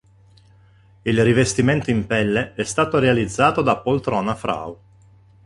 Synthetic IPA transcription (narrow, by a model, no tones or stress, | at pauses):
ilrivest̪iment̪oimpɛlːeɛst̪aːt̪oɾealid̪zːaːt̪od̪apolt̪ɾɔːnafɾa̰w